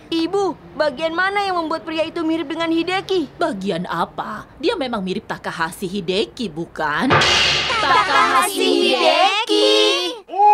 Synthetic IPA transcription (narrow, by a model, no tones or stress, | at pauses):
ibu | baɡianmanajaŋməmbuat̪̚pɾiait̪umiɾɪp̚dəŋanhidekibaɡianapadiamemaŋmiɾɪp̚t̪akaɦasiɦidekibukant̪akaaɦasiideki